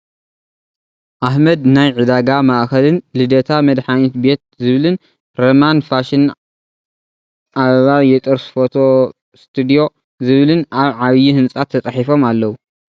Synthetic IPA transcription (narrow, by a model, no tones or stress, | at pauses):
ʔahmɐd̪najʕɨd̪aɡamaʔxɐlɨnlɨd̪ɐt̪ʰamɐd̪ħanit̪be̞t̪̚zɨβlɨn | ɾomanfaʃin | ʔaββajɛt̪ʼɨɾsfot̪ʰo̞ | st̪ʰɨd̪ijo̞ | zɨβɨlɨnaβʕaβjihɨnsʼat̪ʰːɐt͡sʼaħifo̞malːɐwu